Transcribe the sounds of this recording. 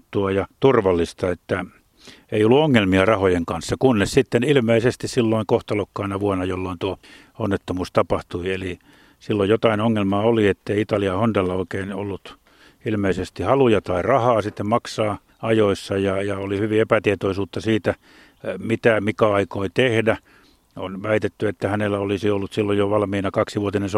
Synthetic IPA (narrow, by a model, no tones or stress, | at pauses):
t̪ːuɑjɑt̪urʋɑlːist̪ɑet̪ːæ | eiolːuoŋːelmiɑrɑhojeŋkɑnsːɑkunːessit̪ːenilmeisest̪issilːoiŋkoht̪ɑlokːɑinɑʋuɑnɑjolːoint̪uo | onːet̪ːomuːst̪ɑpɑht̪uieli | silːojjot̪ɑinoŋːelmɑoliet̪ːeiit̪ɑliɑhondelːɑoikeino̰lːut̪ | ilmeisest̪ihɑlujɑt̪ɑirɑhɑːsit̪ːemmɑksɑː | ɑjoisːɑjɑjɑolihyʋiepæt̪iet̪oisuːt̪ːɑsiːt̪æ | mit̪æmikɑɑikoit̪ehdæ | o̰nʋæit̪et̪ːyet̪ːæhænelːæolisiolːut̪silːojjoʋɑlmiːnɑkɑksiʋuot̪inens